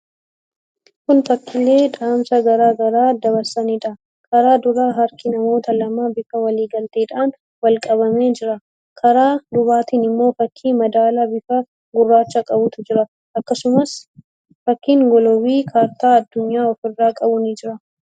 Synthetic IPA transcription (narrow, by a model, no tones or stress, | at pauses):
kʊnt̪ɐkʰːɪle̞ːᶑaːmsɐɡɐɾaːɡɐɾaːd̪ɐβɐɾsɐniᶑɐ | kʰɐɾaːd̪ʊɾaːɦɐɾkɪnɐmo̞ːt̪ɐlɐmaːbɪfɐwɐliːɡɐlt̪eːᶑaːn | wɐlkʼɐβɐmeːd͡ʒɪɾɐ | kʰɐɾaːd̪ʊbaːt̪iːnɪmːo̞ːfɐkʰːiːmɐd̪aːlɐbɪfɐ | ɡʊrːaːt͡ʃːɐkʼɐbʊt̪ʊd͡ʒɪɾɐ | ʔɐkːɐsʊmɐs | fɐkːiːŋɡɔlɔwiːkʰaːɾt̪aːɐd̪ːʊɲːaːɔfɪrːaːkʼɐbʊnɪd͡ʒɪɾɐ